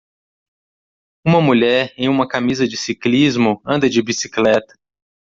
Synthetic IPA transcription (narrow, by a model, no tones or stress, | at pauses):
ũmɐmuʎɛɾẽj̃ũmɐkamizɐd͡ʒɪsiklizmʊɐ̃nd̪ɐd͡ʒɪbisi̥klɛt̪ɐ̥